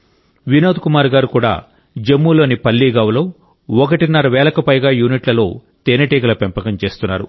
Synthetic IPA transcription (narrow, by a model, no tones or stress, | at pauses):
ʋinoːd̪kumaːɾɡaːɾukuːɽa̰ː | d͡ʒemːulo̞ːnipɐlːiːɡɐʋɐloː | ɔkɐʈinɐɾɐʋɛːlɐkɐpɐjɡaːjuːniʈlɐlo̞ː | t̪eːnɐʈiːɡɐlɐpempɐkɐmt͡ʃe̞ːst̪unːaːɾṵ